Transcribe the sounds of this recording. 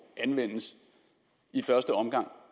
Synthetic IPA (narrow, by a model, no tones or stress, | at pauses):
ʔænʋen̰əs | ifɶɐsd̥əɒ̽mɡ̥ɑ̈ŋ̰